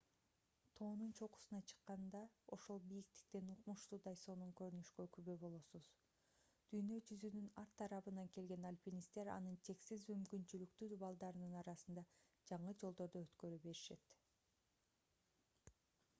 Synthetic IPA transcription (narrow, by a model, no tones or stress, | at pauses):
t̪ʰo̞ːnunt͡ʃʰo̞qu̥sunɑt͡ʃʰɯ̥qːɑnd̪ɑo̞ʃo̞lˠbijik̚t̪i̥k̚t̪enuqmuʃt̪uːd̪ɑjso̞nuŋkø̞ɾynyʃkøkyβøbo̞lˠo̞suz̥ | d̪̥yjnø̞d͡ʒyzynynɑɾt̪ʰːɑɾɑβɯnɑŋke̞lɡe̞nalʲpʲinist̪e̞ɾɑ̰nɯnt̪ʰe̞ksizmymkynt͡ʃylyk̚t̪yd̪ubɑlˠd̪ɑɾɯnɯnɑɾɑsɯnd̪ɑd͡ʒɑɴɯd͡ʒo̞lˠd̪o̞ɾd̪oøt̪kø̞ɾybe̞ɾiʃe̞̰t̪